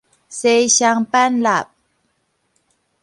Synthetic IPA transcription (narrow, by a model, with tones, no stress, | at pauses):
se˧˨ɕa˧˨ŋpa˦˥nla˨p̚